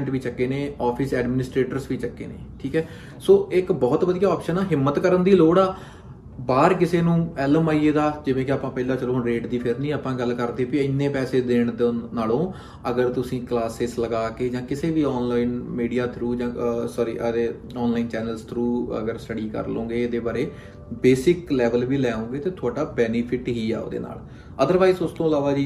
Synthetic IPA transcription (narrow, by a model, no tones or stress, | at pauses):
ɳʈʋiːt͡ʃəkːeːneːɔːpʰɪsɛːɖmɪnɪsʈɾeːʈəɾsʋiːt͡ʃəkːḛːnḛːʈʰiːkɛː | soːɪkbɔːt̪ʋəd̪ijaːɔːpʃənaːɦɪmːət̪kəɾənd̪iːloːɽaː | baːɾkɪseːnũːɛːləmaːieːd̪aːd͡ʒɪʋẽːkɪaːpãːpɛːlãːt͡ʃəloːɾeːʈd̪iːpʰɪɾnĩːaːpãːɡəlkəɾd̪eːpiɪnːẽːpɛːseːd̪eːɽ̃d̪naːlõː | əɡəɾt̪ʊsĩːklaːseːzləɡaːkeːd͡ʒãːkɪseːʋiːɔːnlaːinmiːɖijaːt̪ʰɾuːd͡ʒãːsɔɾḭːʔədeː | ɔːnlaːiːnt͡ʃɛːnəlst̪ʰɾuːə̰ɡəɾsʈəɖiːkə̰ɾlõːɡeːed̪eːbaːɾeː | beːsɪklɛːʋəlʋiːlɛːõːɡeːt̪eːt̪ʰʊaːʈaːbɛːnipʰɪʈɦiːɛ̰ːo̰ːd̪ḛːna̰ːl | əd̪əɾʋaːizʊst̪õːɪlaːʋaːd͡ʒiː